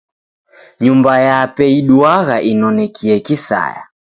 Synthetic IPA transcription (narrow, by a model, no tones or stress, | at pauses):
ɲumbajapɛiɗuaɣaʔinɔnɛkiɛkisa̰ja̰